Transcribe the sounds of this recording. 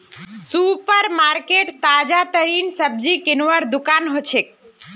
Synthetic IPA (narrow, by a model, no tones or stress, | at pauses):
supəɾmaɾkeʈt̪ad͡ʒat̪əɾiːnsəb̚d͡ʒikɪnʋəɾd̪ʊkaːnɦot͡ʃʰek̚